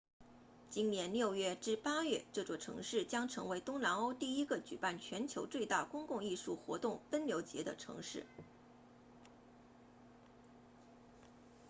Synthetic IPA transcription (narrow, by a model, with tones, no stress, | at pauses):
t͡ɕi˥nnjɛ˧˥nljo˥˧ʊɥɛ˥˧ʈ͡ʂɻ̩˥˩pa˥ɥɛ˥˧ʈ͡ʂɤ˥˩ʈ͡ʂwɔ˨˩ʈ͡ʂʰɤ̰˧˥ŋʂɻ̩˥˩t͡ɕjɑ˥ŋʈ͡ʂʰɤ̰˧˥ŋwe˧˥ɪt̪ʊ˥ŋnɑ˧˥no˥ʊt̪i˥˩i˥ɡə˨t͡ɕy˨˩pa˥˩nt͡ɕʰɥɛ˧˥nt͡ɕʰjo˧˥ʊt͡swe˥˧ɪt̪a˥˩kʊ˥ŋkʊ˥˧ŋi˥˧ʂu˥˩xwɔ̰˧˥t̪ʊ˥˩ŋpə˥nljo˧˥ʊt͡ɕjɛ˧˥d̪ə˧ʈ͡ʂʰɤ̰˧˥ŋʂɻ̩˥˩